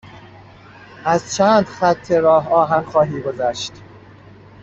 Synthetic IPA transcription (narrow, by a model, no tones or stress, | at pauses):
ʔæzt͡ʃʰæːnd̪xæt̪ʰːeɾɒːɦɒːɦænxɒːɦiːɡo̞zæʃt̪